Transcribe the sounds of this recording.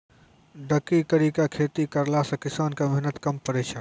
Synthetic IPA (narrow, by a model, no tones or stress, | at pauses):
ɖəkikəɾikakʰeːt̪ikəɾlasɐ̃kɪsaːnkameɦnət̪kɐmpəɾeːʃan